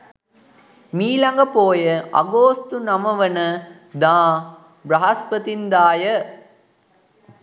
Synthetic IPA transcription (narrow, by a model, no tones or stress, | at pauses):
miːlɐŋɡɐpoːjɐʔɐ̰ɡoːst̪unɐmɐʋɐnɐ | d̪ãː | bɾɐɦɐspɐt̪ind̪aːjɐ